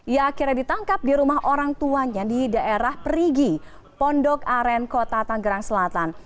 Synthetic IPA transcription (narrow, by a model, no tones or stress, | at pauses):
ijaːkirɲadit̪aŋkap̚diɾumaɦʔoɾaŋt̪uaɲadidaʔeɾahpɾiɡi | pɔndɔkaɾɛnkot̪at̪aŋɡəɾaŋsəlat̪an